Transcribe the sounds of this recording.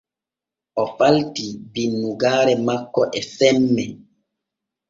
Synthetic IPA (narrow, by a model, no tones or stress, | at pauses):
ʔɔpaltibinːuɡaːɾɛmakːɔʔɛfɛmːɛ